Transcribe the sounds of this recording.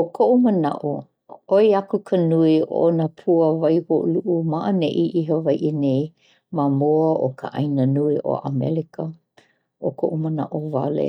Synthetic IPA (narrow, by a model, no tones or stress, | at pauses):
okʰoʔuməna̰ʔo | oiakukʰənuio̰ʔonapʰuəvajhoʔuluʔumaʔəneʔiʔiɦəvajʔinej | mamoəʔo̰kə̰ʔa̰jnənuiʔo̰ʔamɛ̰likə | ʔokʰoʔuməna̰ʔova̰lḛ